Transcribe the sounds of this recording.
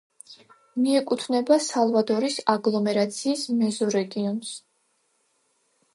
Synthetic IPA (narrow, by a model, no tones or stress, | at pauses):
miɛkʼut̪ʰvnɛbasalˠvad̪ɔɾisaɡlˠɔmɛɾat̪sʰiːsmɛzɔɾɛɡiɔns